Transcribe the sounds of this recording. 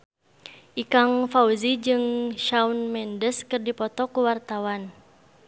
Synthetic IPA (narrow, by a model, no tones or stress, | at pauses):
ʔikaŋfauzid͡ʒɨŋʃaunmɛndəskɨrdipɔt̪ɔkuwart̪awan